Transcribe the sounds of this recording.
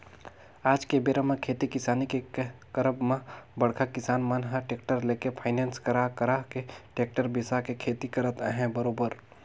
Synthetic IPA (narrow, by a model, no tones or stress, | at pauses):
aːd͡ʒkebeɾamẽkʰeːt̪ikɪsaːnikekəɾəbmãbəɽkʰakɪsaːnmənɦãʈeːk̚ʈəɾleːkepʰaːɪneːnskəɾakəɾakeʈeːk̚ʈəɾbɪsakekʰeːt̪ikəɾət̪ɦɛ̃bəɾoːbəɾ